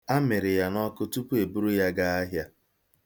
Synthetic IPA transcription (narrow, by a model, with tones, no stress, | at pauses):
a˦mɪ˨ɾɪ˨ja˦nɔ˦kʊ˦tu˦pu˦e˨bu˦ɾu˦ja˦ɡa˦a˦ɦja˦